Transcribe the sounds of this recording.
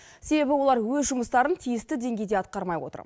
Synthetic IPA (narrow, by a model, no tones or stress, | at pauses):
se̞be̞bɪwo̞lˠɑɾwɵzʒʊməst̪ɑɾənt̪ʰijɪst̪ɪd̪e̞ŋɡʲe̞jd̪e̞ɑt̪̚qɑɾmɑjwot̪ə̰ɾ